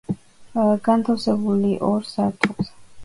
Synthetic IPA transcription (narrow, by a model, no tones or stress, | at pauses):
ɡant̪ʰafsɛbuliʔɔɾsat̪ʰukz